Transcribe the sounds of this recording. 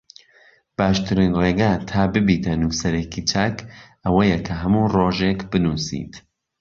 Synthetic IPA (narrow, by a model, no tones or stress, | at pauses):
b̥aːʃt̪ɨɾinreːɡaːt̪ʰaːbɨbiːt̪ʰɐnuːsɐɾekʰit͡ʃɐk | ɐwɐjɐkʰɐɦɐmuroːʒekbɨnuːsḭːt̪